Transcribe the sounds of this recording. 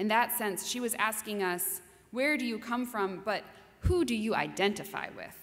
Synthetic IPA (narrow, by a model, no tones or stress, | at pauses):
ɨ̃nðətsɛ̃nsʃiwʌzæskɪ̃ŋʌs | wə˞ɾɨjɨkʰʌ̃ɱfɹʌ̃mbʌt̚ | hudɨjɨa̰ɪdɛ̃ntɨfa̰ɪwɪ̰ð̥